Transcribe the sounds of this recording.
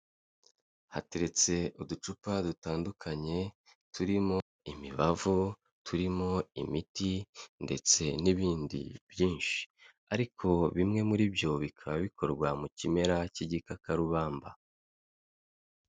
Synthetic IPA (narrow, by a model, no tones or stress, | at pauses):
hate̞ɾe̞t͡se̞ʔudut͡ʃupadutaːndukʰaɲe̞ | tʰuɾimo̞ | imiβavu | tʰuɾimo̞imitinde̞t͡se̞niβiːndḭbjiːnʃi̥ | a̰ɾikʰo̞βimŋe̞muɾibjo̞βikʰaβaβikʰo̞ɾɡwamucime̞ɾaciɟikakaɾuβaːmba